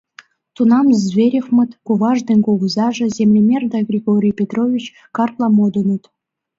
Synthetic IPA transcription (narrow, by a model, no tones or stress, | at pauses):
t̪unɑmzvʲeɾʲefmɤ̆t̪kuvɑʐd̪enʲkoɣuzɑʐɤ̆zʲemlʲemʲerd̪ɑɡrʲiɡoɾʲijpʲet̪rovʲit͡ɕ | kɑrt̪lˠɑmod̪ɤ̆nɤ̆t̪